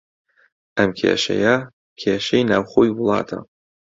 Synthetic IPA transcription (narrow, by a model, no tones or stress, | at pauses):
ʔɐmkʰḛːʃɐ̰jɐ | kʰeːʃɐjnaːwxoːjwʊlˠɑ̰ːt̪ʰɐ̰